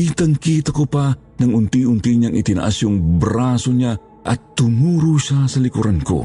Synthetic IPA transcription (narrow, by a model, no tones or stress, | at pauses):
it̪əŋkit̪akupa | nɐŋunt̪iunt̪iɲaŋʔḭt̪ina̰ʔa̰sjuŋbɾasoɲa | ʔɐ̰t̪ːunuɾuʃasalikuɾankṵ